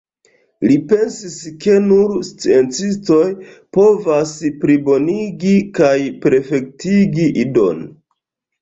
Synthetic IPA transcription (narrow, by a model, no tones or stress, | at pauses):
lipe̞nsiske̞nuɾst͡sient͡sisto̞j | po̞vaspɾibo̞niɡikajpe̞ɾfe̞k̚tiɡiʔido̞̰n